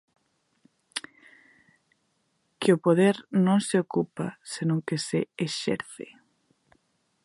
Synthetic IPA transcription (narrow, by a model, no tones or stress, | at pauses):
kɪopoð̞eɾnõŋseokupa̰senõŋkeseeʃɛ̰ɾθḛ